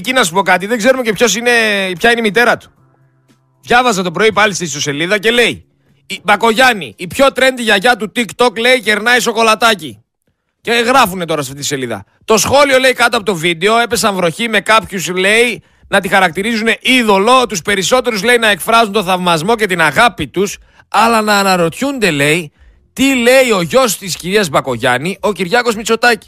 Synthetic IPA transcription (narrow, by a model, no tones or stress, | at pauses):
ecinɐsupo̞kɐt̪iðe̞ɡze̞ɾumecepço̞sine̞pçɐineimit̪e̞ɾɐt̪u̥ | vʝɐvɐzɐt̪opɾo̞ipɐlist̪ist̪ose̞liðɐce̞le̞i | bɐko̞ʝɐnḭːpço̞t̪ɾe̞nd̪iʝɐʝɐt̪ut̪ikt̪o̞kle̞iceɾnɐiso̞ko̞lɐt̪ɐci | ceɣɾɐfune̞t̪o̞ɾɐsɐft̪it̪ise̞liðɐ̰ | t̪o̞sxo̞lio̞le̞ikɐt̪oɐpo̞t̪o̞vid̪e̞o̞e̞pe̞sɐɱvɾo̞çime̞kɐpçusle̞i | nɐt̪ixɐɾɐk̚t̪iɾizune̞ʔiðo̞lo̞t̪uspe̞ɾiso̞t̪e̞ɾuzle̞inɐe̞kfɾɐzunt̪oθɐvmɐzmo̞ce̞t̪inɐɣɐpit̪us | ɐlɐnɐːnɐɾo̞t̪çund̪e̞le̞i | t̪ile̞io̞ʝo̞st̪isciɾiɐzbɐko̞ʝɐniʔo̞ciɾʝɐko̞zmit͡so̞t̪ɐci̥